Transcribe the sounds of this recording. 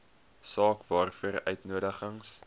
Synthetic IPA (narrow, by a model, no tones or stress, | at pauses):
sɑːkvɑːrfuərœ̰ɥtnuədəχəŋs